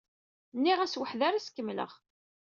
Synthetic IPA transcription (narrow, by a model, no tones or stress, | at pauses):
nːiʁæswəħðaɾæskːəmːlə̰ʁ